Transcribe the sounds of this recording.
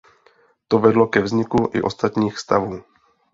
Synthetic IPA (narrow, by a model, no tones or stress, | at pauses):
t̪ovɛdlokɛvzɲɪkuʔɪ̰ʔost̪at̪ɲiːxst̪avuː